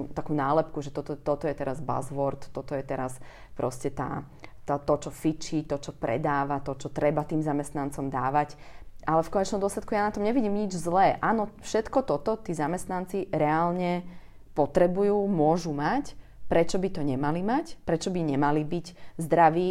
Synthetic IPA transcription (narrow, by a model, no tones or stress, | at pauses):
t̪akuːnaːlɛpkuʒɛt̪ɔt̪ɔt̪ɔt̪ɔjɛt̪ɛɾazba̰zʋɔɾt̪tːɔt̪ɔjɛt̪ɛɾas | pɾʔɔscɛt̪a̰ː | t̪ɔt̪ɔt͡ʃɔfit͡ʃit̪ɔt͡ʃɔpɾɛ̰d̪aːʋat̪ɔt͡ʃɔt̪ɾɛbat̪iːmzamɛst̪nant͡sɔmd̪aːʋacalɛfkɔɲɛt͡ʃnɔmd̪ʊɔslˠɛt̪̚kujaːnat̪ɔmɲɛʋiɟiːmɲid͡ʒzlɛːʔaːnɔfʃɛt̪kɔt̪ɔt̪ɔt̪iːzamɛst̪nant͡siɾɛalɲɛ | pɔt̪ɾɛbujuːmʊɔʒumacpɾɛt͡ʃɔbit̪ɔɲɛmalimacpɾɛt͡ʃɔbiɲɛmalibiɟzd̪ɾaʋiː